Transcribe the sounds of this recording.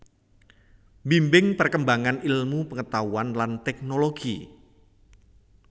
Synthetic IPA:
mbimbɪŋpərkəmbaŋanilmupəŋət̪auanlant̪ɛk̚noloɡ̥ḭ

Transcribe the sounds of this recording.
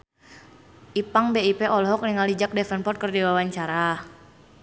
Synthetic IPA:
ʔipaŋbeipɛɔlɦɔk̚niŋalid͡ʒak̚dɛfɛnpɔt̪̚kərdiwawaɲt͡ʃaɾa

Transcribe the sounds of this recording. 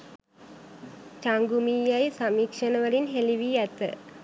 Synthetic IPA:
t͡ʃɐŋɡumijɐjsɐmiːkʂɐnɐʋɐɭinɦeliʋiɛt̪ːɨ̰

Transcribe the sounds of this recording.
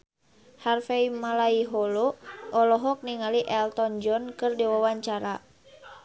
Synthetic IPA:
harfɛimalaiɦɔloʔɔlɔɦɔk̚niŋaliʔɛlt̪ɔnd͡ʒɔnkɨrdiwawaɲt͡ʃaɾa

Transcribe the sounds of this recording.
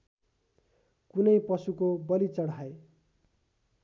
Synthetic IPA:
kunʌjpʌsukobʌlit͡sʌɽae

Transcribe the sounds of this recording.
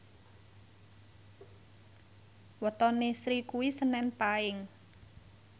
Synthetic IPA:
wɔt̪ɔnesɾikuwisənɛnpaɪŋ

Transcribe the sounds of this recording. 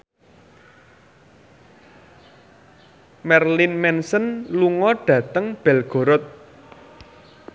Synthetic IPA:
mɛrlinmɛnsənluŋɔɖ̥ä̤t̪əŋb̥ɛ̤lɡ̥o̤ɾɔt̪̚

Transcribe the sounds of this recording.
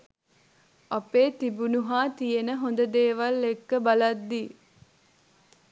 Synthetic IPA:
apeːt̪ibunuɦaːt̪ijenəɦond̪əd̪eːʋalːekːəbalad̪ːi

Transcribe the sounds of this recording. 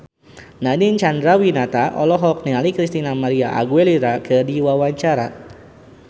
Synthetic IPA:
nadint͡ʃand̪ɾawinat̪aʔɔ̰lɔɦɔk̚nialikɾist̪inamaɾiaʔa̰ɡueliɾakɨdiwawaɲt͡ʃaɾa̰

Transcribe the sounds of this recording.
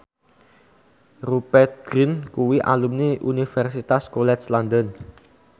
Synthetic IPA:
rupɛrt̪̚ɡ̥ɾinkuwiʔa̰lumniʔunifɛrsit̪askolɛt̪slandən

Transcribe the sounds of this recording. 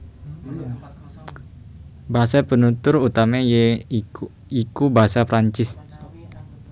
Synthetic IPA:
baɦasapənut̪ʊrut̪amaje | ikubaɦasapɾaɲt͡ʃɪs

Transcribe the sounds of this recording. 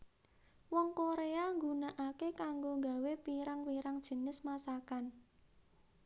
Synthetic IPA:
wɔŋkoɾeaŋɡunaʔakekaŋɡoŋɡa̤wepiɾaŋwiɾaŋd̥ʒ̥ə̤nɪsmasakan

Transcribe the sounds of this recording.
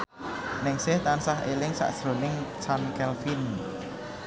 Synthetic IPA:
nɪŋsɪht̪ansaɦʔelɪŋsa̰ʔsɾonɪŋt͡ʃankɛlfin

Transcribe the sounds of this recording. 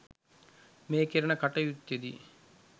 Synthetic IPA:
meːkeɾɐnɐkɐʈɐjut̪ːjed̪ḭ

